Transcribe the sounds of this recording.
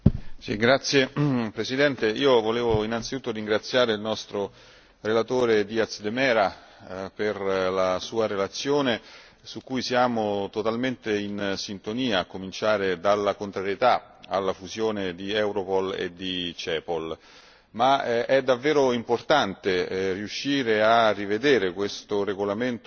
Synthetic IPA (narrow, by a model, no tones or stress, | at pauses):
sḭɡɾat̪sːjepɾesid̪ɛnt̪eiːovoleːvoinant̪sit̪ut̪ːoɾiŋɡɾat̪sːjaːɾeilnɔst̪ɾo | relat̪oːɾed̪iat̪sd̪emɛːɾa | perlasuːaɾelat̪sːjoːne | sukːujsjaːmot̪ot̪alment̪einsint̪oniːaːkːomint͡ʃaːɾed̪alːakont̪ɾaɾjet̪a | alːafuzjoːned̪iɛwɾopɔlḛd̪it͡ʃɛːpol | maʔɛd̪ːavːeːɾoimport̪ant̪eriuʃːiːɾearːived̪eːɾekwest̪oreɡolament̪